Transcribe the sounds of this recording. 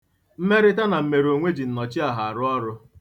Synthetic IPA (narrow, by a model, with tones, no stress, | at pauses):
m̩˦me˦ɾɪ˦ta˦na˨m̩˦me˨ɾo˨ŋʷe˦d͡ʒi˨n̩˨nɔ˨t͡ʃɪ˦a˨ɦa˨a˨ɾʊ˦ɔ˦ɾʊ˦